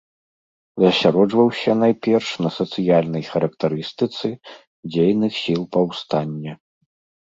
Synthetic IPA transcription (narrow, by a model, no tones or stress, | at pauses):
zɐsʲaɾɔd͡ʐvɐwsʲɐnajpʲɛrʂnɐsɐt̪sɨjalʲnɐjxɐɾɐk̚t̪aɾɨst̪ɨt̪sɨ | d͡zʲejnɨxsʲilˠpɐwst̪anʲːɐ